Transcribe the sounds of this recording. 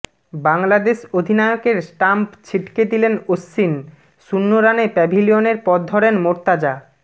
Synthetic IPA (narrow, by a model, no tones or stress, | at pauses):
baŋlad̪eʃod̪ʱinaeokeɾsʈampt͡ɕʰiʈked̪ilenosːin | ʃunːoɾanepɛbʱilioneɾpɔd̪̚d̪ʱɔɾenmoɾt̪ad͡ʑa